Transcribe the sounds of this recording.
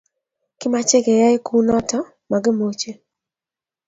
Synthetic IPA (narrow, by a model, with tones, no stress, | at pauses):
kɪ˦ma˦t͡ʃe˦ɡe˨ja˦ɪ˦ku˦nɔ˦tɔ˦ | ma˨ɡɪ˦mo˦t͡ʃe˦